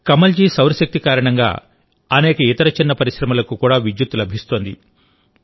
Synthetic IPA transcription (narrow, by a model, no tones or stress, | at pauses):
kɐmɐld͡ʒiːsɐwɾɐʃɐk̚t̪ikaːɾɐɳɐŋɡa̰ː | ɐnɛːkɐit̪ɐɾɐt͡ʃinːɐpɐɾiʃɾɐmɐlɐkukuːɽaːʋid͡ʒ̪jut̪ːulɐbʱist̪oːnd̪ḭ